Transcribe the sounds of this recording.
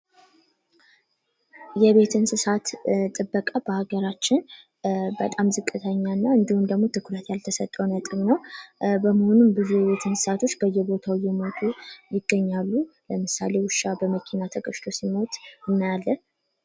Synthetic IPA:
jɛβe̞t̪ʰɨnsɨsat̪t̪ʼɨbːəkʼabəhaɡəɾat͡ʃːɪn | bət̪ʼamzɨkʼːɨt̪ʰəɲːanːaɨnd̪ihumd̪əɡmo̞t̪ʰɨkʰɾət̪jalt̪ʰəsət̪ʼːəwnət̪ʼɨβnəwbəməho̞numbɨzujɛβe̞t̪ʰɨnsɨ̥sat̪ʰo̞t͡ʃːbəjːɛbo̞t̪ʰawjɛmo̞t̪ʰʼujɪɡːəɲːalːuləmɨsa̰le̞wʊʃːabəməkʰinat̪ʰəkʼəʃt̪ʰo̞simo̞t̪ʼɨnːajalːə

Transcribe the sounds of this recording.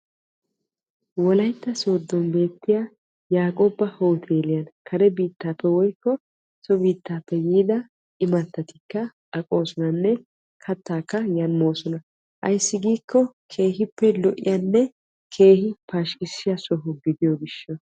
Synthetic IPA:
wɔlɐjt̪ːɐso̞ːd̪ːɔnbe̞ːt̪ːɪja | jaːkʼoːbɐho̞ːt̪ʰe̞ːlɪjɐnkʰɐɾɛbiːt̪ːaːpːɛwɔjkːɔ | sɔbiːt̪ːaːpːɛjiːd̪ɐ | ɪmɐt̪ːɐt̪ɪkːɐ | ʔɐkʼo̞ːsɔnɐnːɛ | kʰɐt̪ːaːkːɐjɐnmo̞ːsɔnɐ | ʔɐ̰jsːɪɡiːkːɔkʰe̞ːɦɪpːɛlɔʔɪ̰janːɛ | kʰe̞ːhɪpaːʃkɪsːɪjɐsɔɦʊɡɪd̪ɪjɔɡɪʃːɐ

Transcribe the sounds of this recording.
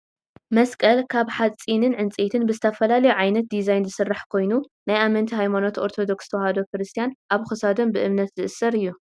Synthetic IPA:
mɐskʼɐlkʰaβħat͡sʼinɨnʕɨnt͡sʼet̪ʰɨnbɨzɨt̪ʰɐfɐlalɐjuʕajnɐt̪̚d̪izajnzɨsɨrːaħkʰo̞jnu | najʔamɐnt̪ʰiɦajmano̞t̪o̞ɾt̪ʰo̞d̪o̞kst̪ʰɐwhɐd̪o̞kɾɨst̪ʰijanʔaβxɨsad̪o̞mbɨʔɨmnɐt̪zɨʔɨsɐɾɨjːu

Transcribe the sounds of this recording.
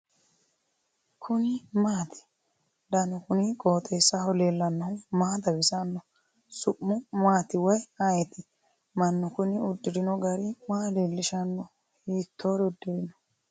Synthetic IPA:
kʰʊnɪmaːt̪ɪ̥ | d̪ɐnɔkʊnɪkʼoːt̪ʼesːɐhɔlelːɐnːɐʊmaːd̪ɐbɪsanːɔ | sʊʔːʊmaːt̪ɪwɐjajɛt̪ɪ | mɐnːɔkʊnɪʊd̪ːɪɾɪnɔɡɐɾɪmaːleːlːɪʃɐnːɔ | hiːt̪ʰːoːɾʊd̪ːɪɾɪnɔ

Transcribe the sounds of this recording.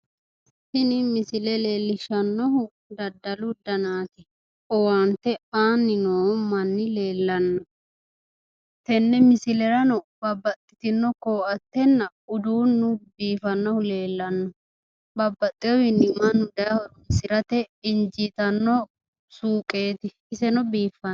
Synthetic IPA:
sɪnɪmɪsɪlɛle̞ːlːɪʃɐnːɔɦʊ | d̪ɐd̪ːɐlʊd̪ɐnaːt̪ɪ | ɔwaːnt̪ːɛaːnːɪnoːmɐnːɪle̞ːlːɐnːɔ | t̪ɛnːɛmɪsɪlɛɾɐnɔbɐbːɐt̪ʼːɪt̪ɪnːɔkoːʔɐt̪ːɛnːɐ | ʊd̪uːnːʊbiːfɐnːɔhʊle̞ːlːɐnːɔ | bɐbːɐt̪ʼːɪjɔwɪnːɪmɐnːʊd̪ɐjɐhɔmɪsɪɾɐt̪ɛɪnd͡ʒit̪ɐnːɔ | suːkʼe̞ːt̪ɪ | ɪsɛnɔbiːfɐ

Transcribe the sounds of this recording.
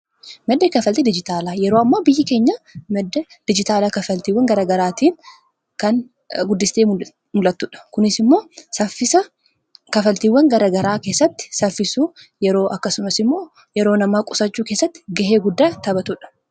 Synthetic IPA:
mɛd̪ːekɐfɐlt̪id̪ɪd͡ʒɪt̪aːlaːjɛɾoːɐmːaːbɪjːɪke̞ːɲːɐmɛd̪ːɛ | d̪̥ɪd͡ʒɪt̪aːlɐkɐfɐlt̪iːwːɐŋɡɐɾɐɡɐɾaːt̪iːn | kɐn | ɡʊd̪ːɪst̪e | mʊlɐt̪ːʊᶑɐ̥kʊnɪsɪmːo̞ːsɐfɪsɐ | kɐfɐlt̪iːwːɐŋɡɐɾɐɡɐɾaːke̞ːsːɐt̪ːɪ̥sɐfːɪsuː | jɛɾo̞ːʔɐkːɐsʊmɐsɪmːo̞ː | jɛɾo̞ːnɐmaːkʼʊsɐt͡ʃːuːkeːsːɐt̪ːɪ̥ɡɐɦeːɡʊd̪ːaːt̪ɐbɐt̪ʊᶑɐ̥

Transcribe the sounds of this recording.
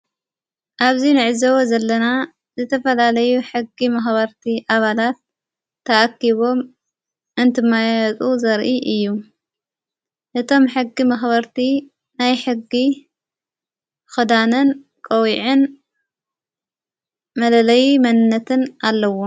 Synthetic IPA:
ʔaβzinɨʕɨzɐwozɐlːɐna | zɨt̪ʰɐfɐlalɐjuħɨɡːimɐxbɐɾt̪ʰiʔaβalat̪ʰː | ɐʔakːiβo̞m | ʔɨnt̪ʰɨmːajɐt͡sʼuzɐɾʔiʔɨjːu | ʔɨt̪ʰo̞mħɨɡːimɐxβɐɾt̪ʰi | najħɨɡːi | xɨd̪anɨn | kʼɐwiʕɨn | mɐlɐlɐjmɐnɨnːɐt̪ʰɨnʔalːɐwo

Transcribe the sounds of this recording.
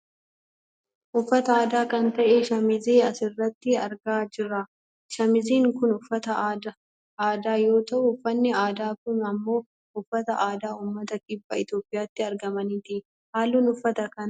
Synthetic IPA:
ʔʊfːɐt̪ɐaːd̪aːkɐnt̪ɐʔeʃɐmɪzeːɐsɪrːɐt̪ːɪɐɾɡaːd͡ʒɪrɾːɐ | ʃɐmɪziːŋkʊnʊfːɐt̪ɐːd̪ɐ | ʔaːd̪aːjo̞ːt̪ɐʔʊʊfːɐnːɪaːd̪aːkʊnɐmːo̞ː | ʊfːɐt̪ɐʔaːd̪aːuːmːɐt̪ɐkʼɪbːɐɪt̪jo̞ːpʼːɪjaːt̪ːɪɐɾɡɐmɐniːt̪ɪʔ | haːlːuːnʊfːɐt̪ɐkɐn

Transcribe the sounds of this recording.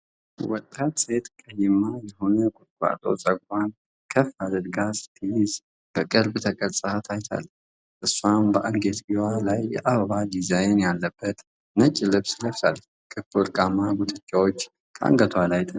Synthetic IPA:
wɔt̪ʼːat̪set̪ʰkʼəjɪmːajɛho̞nəkʼʊt̪kʷʼa̰t̪ʼo̰sʼəɡʷan | kʰəfad̪əd̪ɡasɨ̥t̪ʰijɪz | b̥əkʼɨɾbɨt̪ʰəkʼəɾsʼɨat̪ʰajt̪ʰa̰lː | ʔɨsːwambəʔaŋɡet̪ɡiwalajɛʔaβəβad̪izajnjalːəbːət̪ | nət͡ʃʼːilɨβsləfsal | kʼɨfɨlkʼamaɡut̪ʰɨt͡ʃʼːawot͡ʃː | kʼʰa̰ŋɡət̪ʰwalajt̪ʰʼɨ

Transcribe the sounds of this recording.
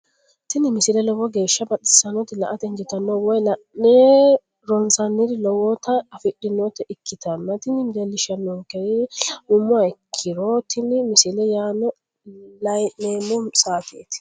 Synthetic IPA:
t̪ɪnɪmɪsɪlɛlɔwɔɡe̞ːʃːɐbɐɗɪsɐnɔt̪ːɪlɐ̰ʔɐt̪ɛŋd͡ʒɪt̪ɐnːɔwɔjlɐ | ne | ɾɔnsɐnːɪɾɪlɔwɔt̪ɐːfɪɗɪnːɔt̪ɛʔɪkʰːɪt̪ɐnːɐt̪ɪnɪmd̪ɛlːɪʃɐnːokɛɾɪʊmːʊɐɪkʰːɪɾoːt̪ɪnːɪmɪsɪlɛjaːnɔ | lɐjneːmʊsaːfḛːt̪ɪ̥

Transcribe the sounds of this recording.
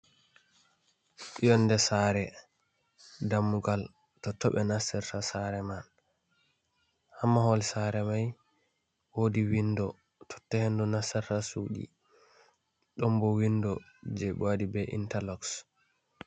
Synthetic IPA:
ijɔndɛsaɾɛ | damːuɡal | tɔtɔɓɛnasɛɾtasaɾɛman | hamːahɔlsaɾɛmaj | wodiwindɔ | tʰɔ̥tːɛhendunasɛɾtasuːɗḭ | ɗɔmbɔwindɔ | d͡ʒɛɓadibɛʔḭntalɔks

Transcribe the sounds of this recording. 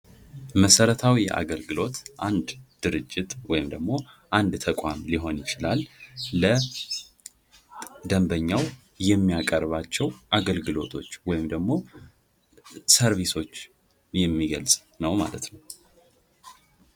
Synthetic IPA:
məsəɾət̪ʰawijɛ̰ʔa̰ɡəlɡɨlo̞t̪ʔand̪d̪̥ɨɾɨd͡ʒːɪt̪ʼwɔjɪmd̪əɡmo̞ʔand̪t̪ʰəkʷʼamliɦo̞njɪt͡ʃɪlalːə | d̪əmbəɲːaw | jɛmːijakʼəɾβat͡ʃːɛwʔaɡəlɡɨlo̞t̪ʰo̞t͡ʃːwɔjɪmd̪əɡmo̞ | səɾβiso̞t͡ʃː | jɛmːiɡəlsʼ | nəwma̰lət̪nəw

